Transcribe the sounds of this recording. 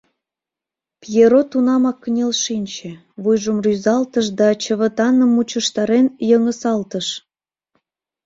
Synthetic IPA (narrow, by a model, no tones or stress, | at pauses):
pjeɾot̪unɑmɑkːənʲelʃinʲt͡ɕĕ | βujʒəmryzɑlt̪əʃd̪ɑt͡ɕəβə̆t̪ɑnəmːut͡ɕəʃt̪ɑɾenjəŋəsɑlt̪əʃ